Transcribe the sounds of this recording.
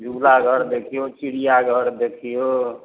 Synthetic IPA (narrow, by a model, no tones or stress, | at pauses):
d͡ʒʱulaɡʱəɾd̪ekʰijot͡ʃiɽijaɡʱəɾd̪ekʰijo